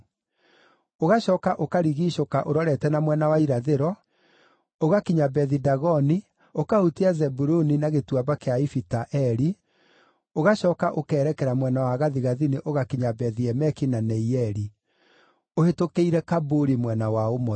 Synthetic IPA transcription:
oɣaɕɔkaʔokaɾiɣiːʃokaʔoɾɔɾɛtɛnamwɛnawaiɾaðeɾɔ | oɣakiɲabɛðidaɣɔni | okahutiazɛbuɾoninaɣetwabakeaifitaʔɛɾi | oɣaɕɔkaʔokɛːɾɛkɛɾamwɛnawaɣaðiɣaðineʔoɣakiɲabɛðiɛmɛkinanɛiɛɾi | ohetokeiɾɛkaboɾimwɛnawaomɔ

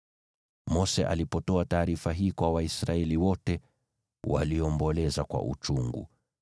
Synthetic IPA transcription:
mɔsɛʔa̰lipɔtɔataːɾifaɦiːkwawaisɾaɛliwɔtɛ | wa̰liɔmbɔlɛzakwa̰ʔṵt͡ʃuŋɡṵ

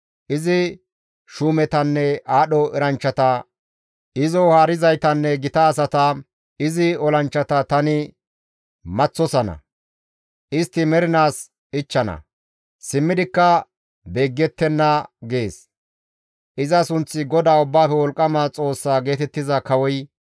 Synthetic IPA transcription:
ʔɪzɪ | ʃuːmɛt̪ɐnːɛʔaːɗɔʔɛɾɐnt͡ʃːɐt̪ɐ | ɪzɔhaːɾɪzɐjt̪ɐnːɛɡɪt̪ɐːs̬ɐt̪ɐ | ɪzɪɔlɐnt͡ʃːɐt̪ɐt̪ɐnɪ | mɐt͡sːɔsɐnɐ̰ | ʔɪst̪ːɪmɛɾɪnaːs | ɪt͡ʃːɐnɐ̰ | sɪmːɪd̪ɪkːɐ | be̞ːɡːɛt̪ːɛnːɐɡeːs | ʔɪzɐsʊnt͡sːɪɡɔd̪aːʊbːaːfɛwɔlkʼːɐmat͡sʼo̞ːsːaːɡe̞ːt̪ɛt̪ːɪzɐkɐwɔj

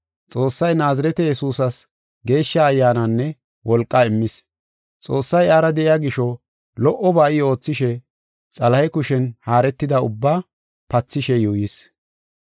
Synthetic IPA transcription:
t͡sʼo̞ːsːɐjnaːzɐɾɛt̪ɛjɛsuːsɐs | ɡe̞ːʃːɐːjːaːnɐnːɛ | wʔɔlkʼːɐɪmːɪs | t͡sʼo̞ːsːɐjaːɾɐd̪ɛʔɪjaːɡɪʃɔ | lɔʔɔbaːʔɪo̞ːt͡sːɪʃɛ | t͡sʼɐlɐhɛkʊʃɛnhaːɾɛt̪ːɪd̪ɐʊ̰bːaː | pɐt͡sːɪʃɛjujis

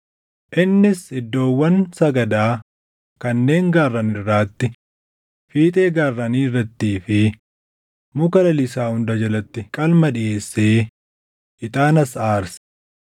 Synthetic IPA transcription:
ʔɪnːɪsɪd̪ːo̞ːwːɐnsɐɡɐd̪aː | kɐnːe̞ːŋɡaːrːɐnɪrːaːt̪ːɪ | fiːt̪ʼe̞ːɡaːrːɐniːrːɐt̪ːiːfɪ | mʊkɐlɐlɪsaːhʊnd̪ɐd͡ʒɐlɐt̪ːɪkʼɐlmɐᶑɪʔe̞ːsːeː | ɪt̪ʼaːnɐsaːɾs

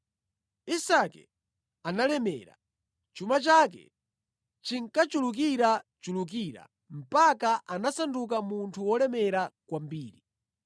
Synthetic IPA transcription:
isakɛ̰ | analɛmɛ̰ːɾa̰ | t͡ʃumat͡ʃak̬ɛ̰ | t͡ʃiŋkat͡ʃuluk̬iɾat͡ʃuluk̬iɾa̰ | m̩pakaʔanasanduk̬amuntʰuwɔlɛmɛɾakwambiːɾi

